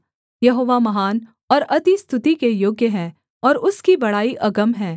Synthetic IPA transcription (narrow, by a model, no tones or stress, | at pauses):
jɐɦoːʋamɐɦaːn | ɔːɾɐd̪ist̪ʰʊt̪ikejoːɡjəɦɛ̃ | ɔːɾʊskibɐɽaːiʔɐɡəmɦɛ̃ː